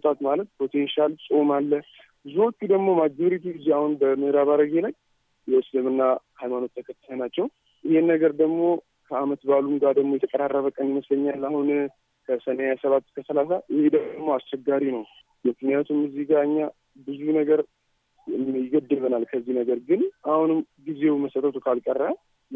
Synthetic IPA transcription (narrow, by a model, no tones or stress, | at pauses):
t̪ʼat̪malət̪̚pʰo̞t̪ʰe̞nʃalsʼo̞malːə | bɨzuwɔkʼːud̪əɡmo̞mad͡ʒd̪oɾit̪ʰuɡɨzeahunbəmɨhɾaβaɾəɡelaɲ | jɛɨslɨmɨnːahajmano̞t̪ʰːəkʰət̪ʰːələnat͡ʃːɛw | ʔɨhenːəɡəɾd̪əɡmo̞ | kʰəamət̪balumɡad̪əɡmojɛt̪ʰəkʼəɾarːəβəkʼənjɪməsləɲːalːahun | kʰəsəneajasəβat̪ːkʰəsəlasaʔɪhed̪əmːo̞ast͡ʃːɛɡːaɾinəw | mɨknijat̪ʰumːɨzːiɡaɨɲːa | bɨzunəɡəɾ | ɨmjɡəd̪ːɨlbənalkʰəzːihnəɡəɾɡɨnahunɨmɡize̞wməsət̪ʰət̪ʰukʰalkʼərːa